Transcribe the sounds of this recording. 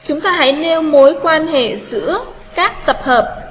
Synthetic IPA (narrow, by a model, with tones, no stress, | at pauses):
t͡ɕʊ˨˦ŋ͡mt̪aː˧ɦa̰˧˥jne˧wmo˨˦jkwaː˧nhḛ˧˨zɨ̰˧˥ə | kaː˦˥k̚t̪ə˨˩p̚həː˨˩p̚